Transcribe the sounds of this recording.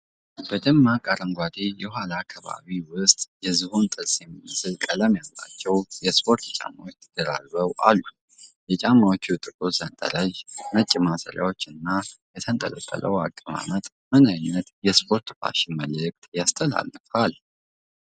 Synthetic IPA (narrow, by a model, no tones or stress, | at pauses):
bəd̪ɨmːakʼaɾəŋɡʷad̪ejɛhʷalakʰːaβa̰βiwʊst̪ʼjɛzɨhont̪ʼɨlsjɛmimːɨsɨlkʼələmjalːa̰t͡ʃːɛwjɛspʰo̞ɾt̪t͡ʃʼa̰mːawot̪ʰəd̪əɾa̰lβəwʔalːu | jɛt͡ʃʼamːawot͡ʃːut̪ʼɨkʼozant̪ʼə̰ɾəʒnət͡ʃʼːimasə̰ɾja̰wot͡ʃːɨnːajɛt̪ʰənt̪ʼə̰ləkʼːə̰lʔə̰wakʼːɨma̰nət̪ʼ | mɨnajnːət̪jɛspʰo̞ɾt̪ba̰ʃɪmələkʼt̪ʼjast̪ʰəla̰lːɨfal